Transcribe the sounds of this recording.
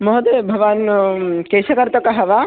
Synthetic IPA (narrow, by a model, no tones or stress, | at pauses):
moɦɐd̪ebʱɐʋaːnkeːʃɐkɐɾt̪ɐkɐɦɐʋaː